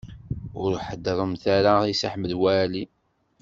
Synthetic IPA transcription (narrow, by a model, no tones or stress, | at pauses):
ʊɾħəd̪ɾˤəmθaɾaisa̰ħməlwæli